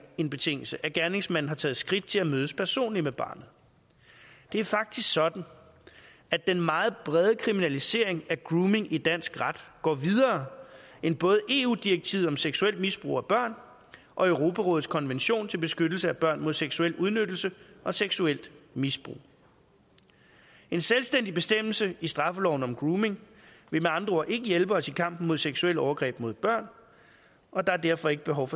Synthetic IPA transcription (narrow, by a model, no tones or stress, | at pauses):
e̝nb̥e̝t͡sʰe̝ŋ̰l̩səʔæɡ̥æɐne̝ŋsmænn̩hɑ̈t͡sʰɛ̰ːð̩ˠsɡ̥ʁid̥̚t͡sʰe̝læmøːəspʰæɐso̝̰ːnlimeb̥ɑ̰̈ːnð̞̩ˠ | d̥e̝æɐfɑ̈ɡ̥̚d̥isɡ̥sɒ̽d̥n̩ | ædd̥enmɑ̈ːð̞̩ˠb̥ʁɛð̞ˠəkʰʁiminælise̝ɐ̰e̝ŋæɡ̥ʁuːme̝ŋid̥æn̰sɡ̥ʁad̥ɡ̥ɒ̰ːʋið̞ˠɐː | e̝nb̥ɔ̽ːð̞̩ˠəʔe̝ːud̥ieɡ̥̚t͡sʰiːðˠɒ̽mseɡ̥suel̰d̥misb̥ʁṵːæb̥ɶɐ̰n | ʔɒ̽øʊʁo̝pʰæʁɔ̽ːð̩ˠskʰɒ̽nʋenɕo̝̰ːnt͡sʰe̝lb̥e̝sɡ̥ød̥l̩səæb̥ɶɐ̰nmo̝ð̞ˠseɡ̥suel̰uðˠnød̥l̩səʔɒ̽seɡ̥suel̰d̥misb̥ʁṵː | e̝nselsd̥en̰d̥ib̥e̝sd̥em̰l̩səisd̥ʁɑ̈fəlɒʊn̩ɒ̽mɡ̥ʁuːme̝ŋ | ʋe̝meɑ̈nd̥ʁɐɒɐ̰ʔe̝ɡ̥əjelb̥əɒ̽sikʰɑ̈m̰b̥n̩mo̝ðˠseɡ̥suel̰ɒʊɐɡ̥ʁɛ̰ːb̥mo̝ðˠb̥ɶɐ̰n | ʔɒ̽d̥ɑ̈æɐd̥æɐfɒ̽e̝ɡ̥əb̥e̝ɦɒ̽ʊfɒ̽